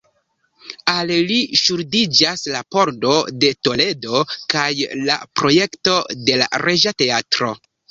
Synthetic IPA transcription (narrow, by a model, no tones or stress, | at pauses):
alliʃuɾdid͡ʒaslapo̞ɾdo̞de̞to̞le̞do̞kajla̰pɾo̞je̞kto̞de̞la̰ɾe̞ʒate̞atɾo̞̰